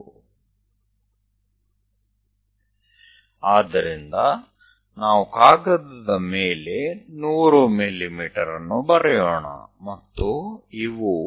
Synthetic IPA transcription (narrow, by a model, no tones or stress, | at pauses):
aːd̪ɐɾind̪ɐ | naːʋukaːɡɐd̪ɐd̪ɐmeːle̞nuːɾumilimiːʈɐɾɐnːubɐɾɛjoːɳa̰mɐt̪ːuiʋu